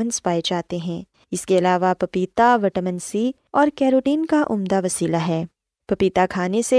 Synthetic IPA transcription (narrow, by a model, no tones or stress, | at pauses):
ənspaːed͡ʒaːt̪eɦɛ̃ː | ɪskeɐlaːʋapɐpiːt̪aʋɐʈəmənsi | ɔːɾkɛːɾoːʈiːnkaʔʊ̰md̪aʋɐsiːlaɦɛː | pɐpiːt̪akʰaːnese